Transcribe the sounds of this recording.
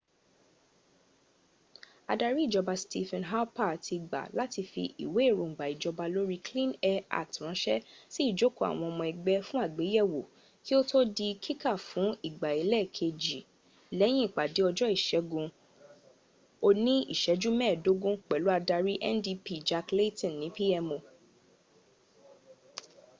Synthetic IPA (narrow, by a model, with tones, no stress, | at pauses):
a˧da˧ɾi˦i˦˨d͡ʒɔ˧ba˧sti˧fɛ̃˧nɦa˦pa˦˨tʰi˧ɡ͡ba̰˨la˨˦ti˧fḭ˧ʔḭ˨we˨˦e˦˨ɾo˨ŋ̩˨ɡ͡ba˨i˨d͡ʒɔ˧ba˧lo˦ɾi˦klĩ˦nɛ˦a̰˦˨k̚tɾ̃ɔ̃˨˦ʃɛ˦si˦i˦˨d͡ʒo˦ko˦˨a̰˨w̃ɔ̃˧ɔ˧mɔ̃˧ɛ˨ɡ͡bɛ˦fũ˦a˦˨ɡ͡be˨˦jɛ˦˨wo˨ | ki˦o˦to˦di˧kʰi˦ka˦˨fũ˨˦i˦˨ɡ͡ba˨i˨lɛ˦˨kʰe˧d͡ʒi˨ | lɛ˨˦j̃ĩ˦i˦˨k͡pa˨di˨˦ɔ˧d͡ʒɔ˦i˦˨ʃɛ˨˦ɡũ˧ | o˧nĩ˦ḭ˦˨ʃɛ˨˦d͡ʒu˦mɛ̃ː˦˨do˨˦ɡũ˦k͡pɛ˨lu˦a˧da˧ɾi˦ʔɛ̰˦ndi˧pi˦d͡ʒa˧kle˦tĩ˨nːĩ˨˦pi˦ɛ˧mo˧